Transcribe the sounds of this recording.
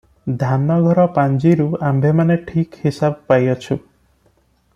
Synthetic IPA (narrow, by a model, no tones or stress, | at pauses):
d̪ʱanɔɡʱɔɾɔpand͡ʒiɾuambʱemaneʈʰikhisabpajɔt͡ʃʰu